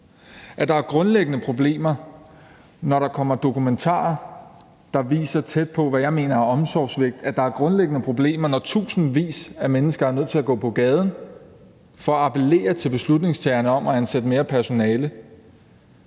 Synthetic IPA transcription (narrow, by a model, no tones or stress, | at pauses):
ʔæɐd̥ɑ̈æɐɡ̥ʁɔ̽nleɡ̥ənəpʰʁo̝b̥le̝̰ːmɐ | nɒɾɑ̈kʰɒ̽m̰ɐd̥o̝kument͡sʰɑ̰̈ːɐ | d̥ɑ̈ʋḭːsɐt͡sʰed̥̚pʰɒ̽ʋæjɑ̈ɪme̝̰ːnɐæɐɒ̽msɒ̰ːsʋe̝ɡ̥̚d̥æd̥ɑ̈æɐɡ̥ʁɔ̽nleɡ̥ənəpʰʁo̝b̥le̝̰ːmɐnɒt͡sʰṵːsn̩ʋḭːsæmenəsɡ̥ɐæɐnøð̰ˠt͡sʰe̝læɡ̥ɔ̰̽ːpʰɒ̽ɡ̥ɛːð̞ˠn̩ | fɒ̽æɑpʰele̝̰ːɐt͡sʰe̝lb̥e̝slud̥ne̝ŋst͡sʰæːɐnəɒ̽m̰ʔæænsed̥əme̝ːɐpʰæɐso̝nɛːlə